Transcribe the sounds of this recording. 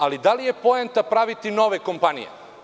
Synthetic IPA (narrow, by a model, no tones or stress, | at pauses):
alid̪alije̞po̞ent̪apɾaʋit̪ino̞ʋeko̞mpanḭjḛ